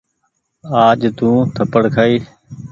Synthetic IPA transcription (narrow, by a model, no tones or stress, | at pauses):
aːd͡ʒt̪ũːt̪ʰəpəɽkʰaːiː